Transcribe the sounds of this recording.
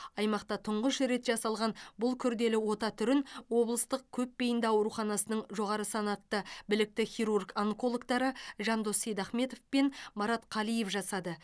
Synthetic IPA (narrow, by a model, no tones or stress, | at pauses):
ɑjmɑqt̪ɑt̪ʰʊɴʁəʃɾe̞t̪ʒɑsɑlˠʁɑnbʊlˠkʲʰʏɾd̪e̞lɪwo̞t̪ɑt̪ʰʏɾɪnwo̞blˠəst̪əq̚kʲʰɵp̚bejɪnd̪ɑwɾuχɑnɑsənəɴʒo̞ʁɑɾəsɑnɑt̪ːəbɪlɪk̚t̪ɪχʲiɾurɡaŋko̞lˠokt̪ɑɾəʒɑnd̪osejd̪ɑχme̞t̪o̞fpe̞nmɑɾɑt̪qʰɑlˠije̞fʒɑsɑd̪ə